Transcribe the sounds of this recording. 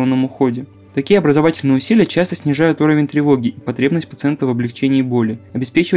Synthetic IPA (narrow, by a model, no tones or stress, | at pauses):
nːəmʊxo̞dʲɪ | t̪ɐkʲijəɐbɾəzɐvatʲɪlʲnɨjəʊsʲilʲɪjət͡ɕast̪əsʲnʲɪʐajʊt̪uɾəvʲɪnʲt̪ɾʲɪvo̞ɡʲɪʔipɐt̪ɾʲe̞bnəsʲt̚ʲpət̪sɨɛnt̪əvəblʲɪkt͡ɕenʲɪːbo̞lʲɪɐbʲɪspʲet͡ɕɪvə